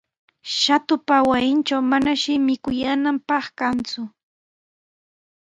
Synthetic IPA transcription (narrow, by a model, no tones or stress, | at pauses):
ʃat̪ʊpawajɪnt͡ʃawmanaʃɪmɪkʊjaːnampɑχkant͡sʊ